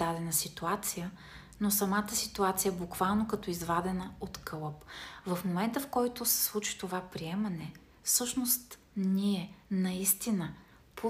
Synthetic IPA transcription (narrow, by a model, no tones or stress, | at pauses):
d̪ad̪ɛnəsit̪uat̪sijə | nosɐmat̪əsit̪uat̪sijəɛbukvalˠnokɐt̪ɔizvad̪ɛnəot̪kɤlˠəpvəfmomɛnt̪əfkɔjt̪ʊsɛ̥slˠut͡ʃi̥t̪ovapɾiɛmɐnɛ | fsɤʃnost̪ | niɛnɐist̪inə | po